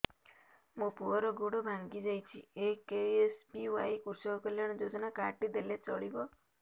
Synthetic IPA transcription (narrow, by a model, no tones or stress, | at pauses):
mũpuɔɾɔɡoɽɔbʱaŋɡid͡ʒajt͡ʃʰiekeespiwajkusɔkkɔlaɽ̃ɔd͡ʒod͡ʒɔnakaʈid̪elet͡ʃɔɭibɔ